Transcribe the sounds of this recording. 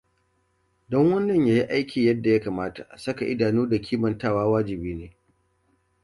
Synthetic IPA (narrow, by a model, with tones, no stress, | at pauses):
dɔ˦ŋwɐ˦nːɐ˨ɲjaː˦ji˦ʔa˦jkʲiː˨jɐ˦dːa˨ja˦kaː˨maː˦ta̰˨sɐ˦ka˨ʔɪ˦daː˨nuː˦da˨kʲʰiː˦mɐ˨ntaː˦˨waː˦waː˦d͡ʒɪ˨biː˦neː˦